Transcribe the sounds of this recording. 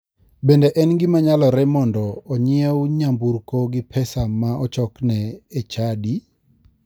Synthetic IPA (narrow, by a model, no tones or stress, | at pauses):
bendeʔɛnɡɪmaɲalɔɾɛmɔndɔːɲɪɛwɲambuɾkoɡɪpʰɛsamaɔt͡ʃɔknɛet͡ʃadi